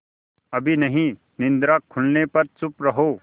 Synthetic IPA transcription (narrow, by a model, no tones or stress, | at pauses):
ɐbʱinɐɦĩ | nɪ̃nd̪ɾaːkʰːʊɳɖnepɐɾt͡sʊpɾɐɦoː